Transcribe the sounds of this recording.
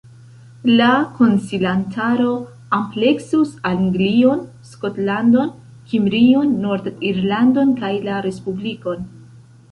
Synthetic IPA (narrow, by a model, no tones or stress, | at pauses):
lako̞nsilantʰaɾo̞ | ample̞ksusaliŋɡlio̞n | sko̞tlando̞n | kimbɾio̞nːoɾdiɾlando̞nkajlaɾe̞spubliko̞n